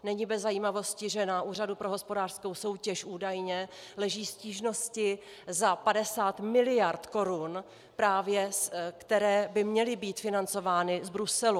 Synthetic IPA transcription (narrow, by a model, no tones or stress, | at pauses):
nɛɲiːbɛzːajiːmavo̞scɪʒɛnaʔuːr̝adupɾoɦo̞spo̞daːr̥sko̞wso̞wcɛʃʔuːdajɲɛlɛʒiːsciːʒno̞scɪ | zapadɛsaːt̪mɪlɪjaɾt̪ko̞ɾun | pɾaːvjɛkt̪ɛɾɛːbɪmɲɛlɪbiːt̪fɪnant͡so̞vaːnɪzbɾusɛlu